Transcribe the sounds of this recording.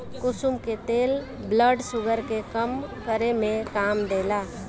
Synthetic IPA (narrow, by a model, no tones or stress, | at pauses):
kʊsumket̪eːl | bləɖsʊɡəɾkekəmkəɾemẽkaːmd̪eːlaː